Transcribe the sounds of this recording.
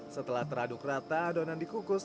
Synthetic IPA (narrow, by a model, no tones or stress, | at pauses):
sət̪əlaht̪əɾadʊkrat̪adonandikukʊs